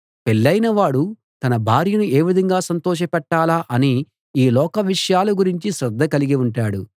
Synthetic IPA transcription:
peɭːɐjnɐʋaːɽu | t̪ɐnɐbʱaːɾjɐnue̞ːʋid̪ʱɐŋɡaːsɐnt̪ɔːʃ̬ɐpɛʈːaːlaːʔɐni | iːlɔːkɐʋiʂɐjaːluɡuɾiɲt͡ʃiʃɾɐd̪ʱːɐkɐliɡiuɳʈaːɽu

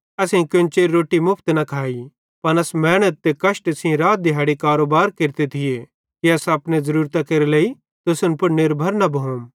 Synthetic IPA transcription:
ɐsẽĩkjʊnt͡ʃeːɾɾoːʈimʊpʰt̪nɐkʰaːi | pɐnɐsmɛːɽ̃ət̪ːekɐʃʈesĩɾaːt̪̚d̪ɪɦaːɽikaːɾoːbaːɾkeɾt̪et̪ʰɪje | kiɐsɐpnẽzɐɾuːɾt̪akeɾeleːi | t̪ʊsʊnpʊɾnɪɾbʱɐɾnɐbʱɐɦõm

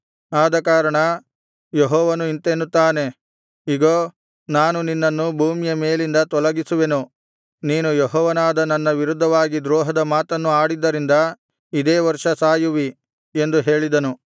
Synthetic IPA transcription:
aːd̪ɐkaːɾɐɳɐ | jeɦɔːʋɐnuint̪enːut̪ːaːne̞ | iɡoː | naːnuninːɐnːubʱuːmijɐme̞ːlind̪ɐt̪ɔlɐɡisuʋe̞nu | niːnujeɦɔːʋɐnaːd̪ɐnɐnːɐʋiɾud̪ʱːɐʋaːɡid̪ɾɔːɦɐd̪ɐmaːt̪ɐnːuaːɽid̪ːɐɾind̪ɐ | id̪eːʋɐɾʂɐsaːjuʋi | e̞nd̪uɦe̞ːɭid̪ɐnu

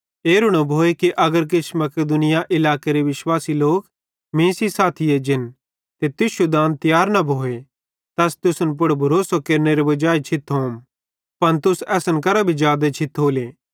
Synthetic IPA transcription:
eːɾʊɽ̃obʱoːekiʔɐɡəɾk̬ɪt͡ʃʰmɐkɪd̪ʊnɪjaʔɪlaːkeɾeʋɪʃwaːsiloːk | mẽːsisaːt̪ʰied͡ʒɪn | t̪et̪ɪʃud̪ãːnt̪jaːɾnɐbʱoːe | t̪ɛːst̪ʊsənp̬ʊɽbʱɐɾoːsokeːɾneɾebɐd͡ʒaːet͡ʃʰɪt̪ɦoːm | pɐnt̪ʊsɛːsənkɐɾabʱid͡ʒjaːd̪et͡ʃʰɪt̪ɦoːleː

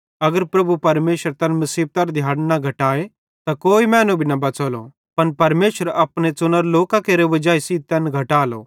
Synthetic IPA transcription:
ɐɡəɾpɾɐbʱupɐɾmeːʃəɾt̪ɛ̃nmɐsiːb̚t̪ɐɾd̪ʱjaːɽnaɡʱɐʈaːe | t̪akoːimɛ̃ːnũbʱinɐbɐt͡soːlo̰ | pɐnpɐɾmeːʃəɾɐpñet͡sʊnəɾloːkakeːɾeʋɐd͡ʒaːisiːt̪ɛnɡʱɐʈaːlo̰

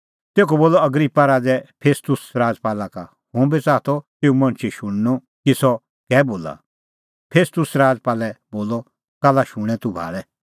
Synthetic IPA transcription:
t̪eːkɔboːlɔɐɡɾipːaɾaːd͡zɛpʰeːst̪ʊsɾaːd͡zpaːlaka̰ | hũbit͡saːt̪ʰɔt̪eːumɐ̃nt͡ʃʰiʃʊ̃ɽ̃nu | kisɔ | kɛːboːla̰ | pʰeːst̪ʊsɾaːd͡zpaːlɛboːlɔ | kalaʃuɽ̃ɛ̃t̪ubʱa̰ːɭɛ

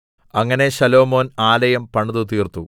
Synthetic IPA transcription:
ɐŋːɐne̞ɕɐlo̞ːmo̞ːnaːlɐjɐmpɐɳuðut̪iːrt̪u

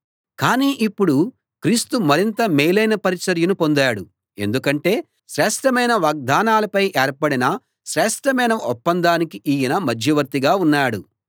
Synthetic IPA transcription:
kaːniːʔipːuɽu | kɾiːst̪umɐɾint̪ɐmɛːjlɐjnɐpɐɾit͡ʃɐɾjɐnupond̪aːɽu | e̞̰nd̪ukɐɳʈe̞ː | ʃɾɛːʂʈɐmɐjnɐʋaːɡ̚d̪aːnaːlɐpɐjʔɛːɾpɐɽinɐ | ʃɾɛːʂʈɐmɐjnɐɔpːɐnd̪aːnikiʔiːjinɐmɐd͡ʒʱjɐʋɐɾt̪iɡaːunːaːɽu

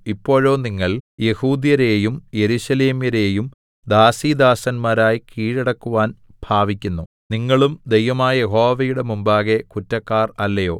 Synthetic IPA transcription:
ipːo̞ːɻo̞ːniŋːɐɭje̞huːd̪jɐɾe̞ːjumje̞ɾuɕɐle̞ːmjɐɾe̞ːjum | d̪aːsiːd̪aːsɐnmaːɾaːjkiːɻɐɽɐkːuʋaːn | b̥ʱaːʋikʲːunːu | niŋːɐɭumd̪ejʋɐmaːjɐje̞ɦo̞ːʋɐjuɽe̞mumbaːɣe̞kutːɐkːaːrɐlːɐjo̞̰ː

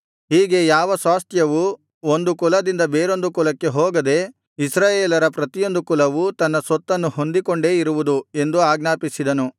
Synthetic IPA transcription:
ɦiːɡe̞jaːʋɐsʋaːst̪ʰjɐʋu | o̞nd̪ukulɐd̪ind̪ɐbeːɾo̞nd̪ukulɐkːe̞ɦoːɡɐd̪e̞ | isɾaːjeːlɐɾɐpɾɐt̪ijo̞nd̪ukulɐʋut̪ɐnːɐsɔt̪ːɐnːuho̞nd̪iko̞ɳɖe̞ːiɾuʋud̪ue̞nd̪uaːɡnaːpisid̪ɐnu

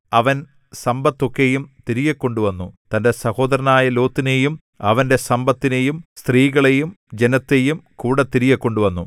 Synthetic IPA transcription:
ɐʋɐn | sɐmbɐt̪ːo̞kːe̞jumt̪iɾijɐkːo̞ɳɖuʋɐnːut̪ɐnde̞sɐho̞ːd̪ɐɾɐnaːjɐlo̞ːt̪ːine̞jum | ɐʋɐnde̞sɐmbɐt̪ːine̞jumst̪riːɣɐɭejum | d͡ʑenɐt̪ːe̞jumkuːɽɐt̪ːiɾijɐkːo̞ɳɖuʋɐnːu

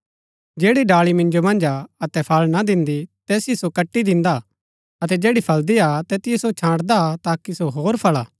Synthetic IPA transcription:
d͡ʒɛːɽiɖaːɭimɪ̃nd͡ʒomɐ̃nd͡ʒaɐt̪ɛpʰɐlnad̪ɪ̃nd̪it̪ɛːsiisokɐʈːid̪ɪ̃nd̪a | ɐt̪ɛd͡ʒeːɽipʰɐld̪iat̪ɛːt̪ɪjɛsot͡ʃʰãːɽd̪at̪aːkisoɦoːɾpʰɐɭaː

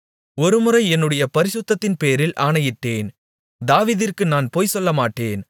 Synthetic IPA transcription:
ɔɾɯmɯɾɐɪɛnːɯɽɐjɐpɐɾɪsʊt̪ːɐt̪ːɪnpeːɾɪlʔaːɳɐjɪʈːeːn | d̪aːʋiːðɪrkɯnaːnpoːjsɔlːɐmaːʈːeːn

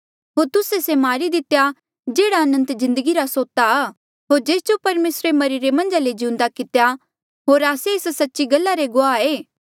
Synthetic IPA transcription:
ɦoːɾt̪ʊsesemaːɾid̪ɪt̪eja | d͡ʒeːɽaɐnə̃nt̪zɪ̃nd̪əɡiɾasoːt̪a | ɦoːɾd͡ʒeːst͡ʃopɐɾmeːsɾemɐɾiɾemɐ̃nd͡ʒaled͡ʒiũnd̪akɪt̪ja | ɦoːɾaːseɪssɐtːʃiɡɐlːaɾeɡʊaːeː

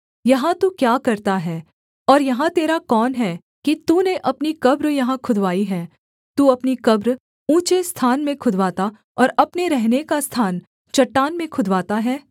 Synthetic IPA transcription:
jɐɦãt̪ukjaːkɐɾt̪aɦɛː | ɔːɾjɐɦãt̪eːɾakɔːnɦɛː | kit̪uːneʔɐpnikɐbɾjɐɦãkʰʊd̪ʋaːiɦɛː | t̪uːɐpnikɐbɾ | ũːt͡ʃest̪ʰaːnmẽkʰʊd̪ʱʋaːt̪a | ɔːɾɐpneɾɛɦnekast̪ʰaːn | t͡ʃɐʈːaːnmẽkʰʊd̪ʱʋaːt̪aɦɛː

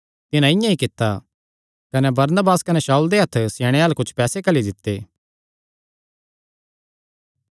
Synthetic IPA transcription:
t̪ɪnãɪ̃jãikɪt̪ːa | kɐnebɐɾnəbaːskɐneʃaːuld̪eɦɐt̪ʰːseːɽ̃eaːlkʊt͡ʃʰpɛːsekɐlid̪ɪt̪ːeː

